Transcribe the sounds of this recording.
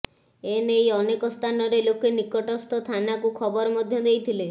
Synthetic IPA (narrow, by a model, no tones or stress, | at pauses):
enejɔnekɔst̪ʰanɔɾelokenikɔʈɔst̪ʰɔt̪ʰanakukʰɔbɔɾɔmɔd̪ʱjɔd̪ejt̪ʰile